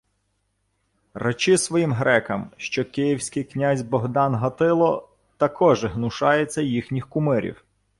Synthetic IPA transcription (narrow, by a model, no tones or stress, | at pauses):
rɐt͡ʃɪsʋɔjimɦɾɛkɐmʃt͡ʃɔkɪjiwsʲkɪjknʲazʲbɔɦd̪ɑnɦɐt̪ɪlˠɔ | t̪ɐkʰɔʒɪɦnʊʃɑjet͡sʲːɐjixnʲixkʊmɪɾʲḭw